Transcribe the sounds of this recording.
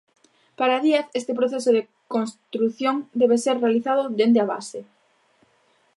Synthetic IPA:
paɾaðiaθest̪epɾoθesoðe | konst̪ɾuθjoŋd̪ɛβ̞eseɾrealiθaðʊd̪end̪eaβa̰se

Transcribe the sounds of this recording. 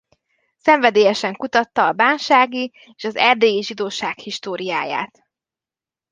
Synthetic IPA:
sɛɱvɛd̪eːjɛʃɛŋkut̪ɒt̪ːɒːbaːnʃaːɡi | eːʃɒzɛrd̪eːjiʒid̪oːʃaːkhiʃt̪oːɾijaːja̰ːt̪

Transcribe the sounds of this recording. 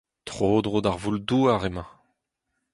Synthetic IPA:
t̪χoːd̪ʁod̪aʁvulduaʁemɑ̃

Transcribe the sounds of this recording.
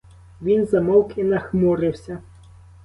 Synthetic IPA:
ʋʲinzɐmɔwkɪnɐxmɔɾɪwsʲɐ

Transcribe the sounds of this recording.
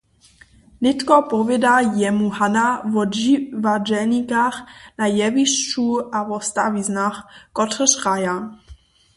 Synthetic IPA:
nɪt̪kɔpɔvɛdajɛmuhanavɔivad͡ʒɛlɲikaxnajɛviʃt͡ʃuavɔst̪a̰viznaxkɔt̪rəʃʁaja

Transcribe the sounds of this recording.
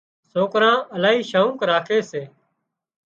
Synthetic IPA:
soːkɾãːəlaːɦiːʃaːũːkɾaːkʰeːseː

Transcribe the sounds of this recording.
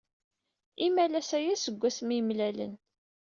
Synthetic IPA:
imælæsæjæsəɡʷːæsmimlælə̰n

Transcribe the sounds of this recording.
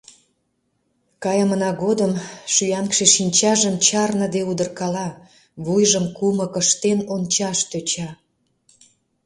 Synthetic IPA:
kɑjəmənɑɣod̪əmʃyjɑnkʃeʃinʲt͡ɕɑʒəmt͡ɕɑrnə̆d̪eud̪ərkɑlɑ | βujʒəmkumə̆kəʃt̪enont͡ɕɑʃt̪øt͡ɕɑ

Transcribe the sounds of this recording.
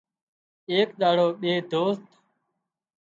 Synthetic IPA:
eːkɗ̪aːɽoːɓeːd̪ʱoːst̪

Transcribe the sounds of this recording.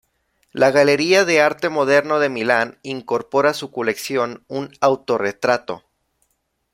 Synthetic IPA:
laɣale̞ɾiaðe̞aɾt̪e̞mo̞ðe̞ɾno̞ðemilaniŋko̞ɾpo̞ɾasuko̞le̞ksjo̞nunawt̪o̞re̞t̪ɾat̪o̞̰

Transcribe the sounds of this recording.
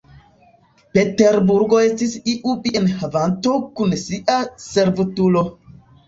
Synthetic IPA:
peteɾbuɾɡoestisiʔubienhavantokunsiʔaseɾvutulo

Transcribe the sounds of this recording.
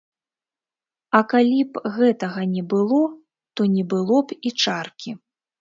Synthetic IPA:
ɐkalʲipɣɛt̪ɐɣɐnʲɛbɨlˠɔ | t̪ɔnʲɛbɨlˠɔpit͡ʂarkʲi

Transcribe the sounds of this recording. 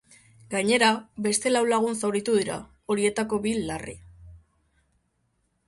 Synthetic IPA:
ɡaɲe̞ɾabe̞st̪e̞lawlaɣ̞unsawɾit̪uðiɾa̰ | o̞ɾie̞t̪ako̞βilːarḭ

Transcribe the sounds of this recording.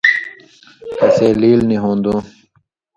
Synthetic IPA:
kɐseːliːlniɦõːnd̪ũː

